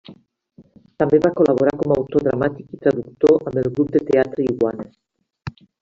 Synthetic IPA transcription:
t̪ambeβakolaβ̞oɾakomawt̪oðɾa̰mat̪ikit̪ɾaðuk̚t̪oʔambelɣɾup̚d̪et̪eat̪ɾeiɣwane

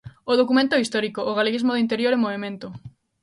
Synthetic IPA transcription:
ʊðokumẽnt̪oɛist̪ɔɾikoʔːɣaleɣizmoðint̪eɾjoɾemoβemẽnt̪ʊ

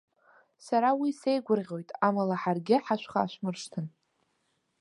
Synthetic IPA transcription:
saɾawisejɡʷʊrʁʲo̞jtʼamalaħarɡʲɪħaʃʷχa̰ːʃʷmɨrʂtʰɨn

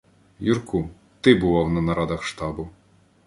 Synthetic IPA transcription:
jurku | t̪ɪbʊʋɑwnɐnɐɾɑd̪ɐxʃt̪ɑbʊ

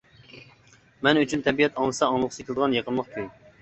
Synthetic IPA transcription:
mɛnyt͡ʃʰynt̪ʰɛbijɛt̪ɑŋlˠɨsɑɑŋlˠəqsekʲʰlɨd̪əʁɑnjeqʰəlˠmɑχkʲʰyŋ

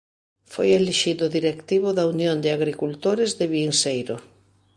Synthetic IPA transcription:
fojeleʃiðʊðiɾekt̪iβʊðaunjond̪ɪaɣɾikult̪oɾɪzðɪβiŋsejɾʊ

